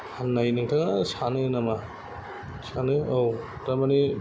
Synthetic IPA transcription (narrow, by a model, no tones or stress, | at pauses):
hanːajnɯŋtʰaŋasanɯnama | sanɯow | ɾamani